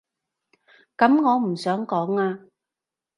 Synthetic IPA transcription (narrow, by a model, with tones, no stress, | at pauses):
kɐ˨˥mŋɔː˨˧m̩˨˩sœː˨˥ŋkɔː˨˥ŋaː˧